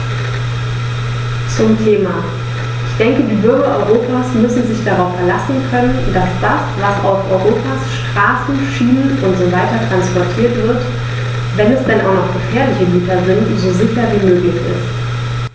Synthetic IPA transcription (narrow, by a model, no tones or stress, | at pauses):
t͡sʊmtʰeːma | ʔɪçd̥ɛŋkədiːbʏɐɡɐʔɔʏʁoːpʰaːsmʏsn̩zɪçd̥aʁaʊfɛɐlasn̩kʰœnənd̥asd̥asvasa̰ʊfʔɔʏʁoːpʰaːsʃtʁ̥aːsn̩ʃiːnəʊntz̥ovaɪtɐtʁ̥anspɔɐtʰiːɐtv̥ɪɐt | vɛnɛsd̥ɛnʔaʊnɔχɡ̥əfɛːɐlɪçəliːtɐzɪntzoːzɪçɐviːmøːklɪçɪ̰st